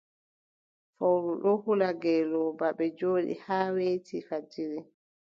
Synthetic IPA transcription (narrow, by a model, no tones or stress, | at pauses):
fawɾuɗɔhulaɡɛlɔbaɓɛd͡ʒoːɗḭhaːweːtʰifad͡ʒiɾi